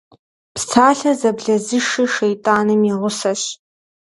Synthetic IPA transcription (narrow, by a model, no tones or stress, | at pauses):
pstʰaːɬɐzɐbɮɐzɨʂiʃejtʼaːnɨmaʁʷʊsɐɕ